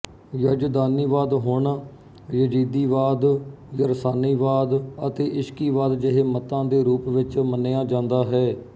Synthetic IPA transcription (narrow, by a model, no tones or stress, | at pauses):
jəd͡ʒd̪aːniːʋaːd̪ɦʊɳ | jəd͡ʒiːd̪iːʋaːd̪ | jəɾəsaːniːʋaːd̪ət̪eːʔɪʃkiːʋaːd̪d͡ʒəɦeːmət̪ãːd̪eːɾuːpʋɪt͡ʃməneːaːd͡ʒãːnd̪aːɦɛː